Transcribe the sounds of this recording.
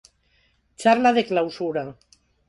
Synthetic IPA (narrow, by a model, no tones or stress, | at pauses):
t͡ʃaɾlaðeklawsuɾa